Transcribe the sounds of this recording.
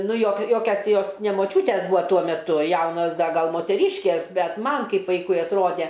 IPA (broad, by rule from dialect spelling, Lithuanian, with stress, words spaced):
ˈnʊ joːk ˈjoːkʲɛs ˈtʲɪ ˈjoːs nʲɛ moːˈt͡ʃʲuːtʲɛs ˈbuːɐ ˈtuɔ mʲɛˈtʊ ˈjɛʊnoːs ˈdɐ ˈɡɐlˠ moːtʲɛˈrʲiːʃʲkʲeːs ˈbʲɛt ˈmɐn ˈkɐɪp ˈʋɐɪkʊɪ ɐtˈroːdʲɛ